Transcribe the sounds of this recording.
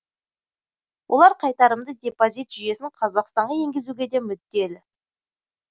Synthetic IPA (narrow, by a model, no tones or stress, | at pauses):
wʔolˠɑɾqʰɑjt̪ɑɾəmd̪əd̪ʲe̞pozit̪ʒ̥ʏje̞sɪɴqʰɑzɑqst̪ɑɴʁɑe̞ŋɡʲɪzuɡʲe̞d̪e̞mʏd̪ːe̞lɪ